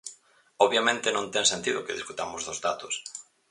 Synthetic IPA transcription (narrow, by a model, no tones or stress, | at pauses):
ɔβjamẽnt̪ɪnõnt̪ɛŋsẽnt̪iðʊkeðiskut̪amʊzðʊzðat̪ʊs